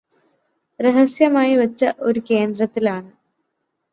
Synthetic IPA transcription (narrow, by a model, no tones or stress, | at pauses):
reɦɐsjɐmaːjiʋɐt͡ɕːɐʔo̞ɾuke̞ːnd̪rɐt̪ːilaːɳɨ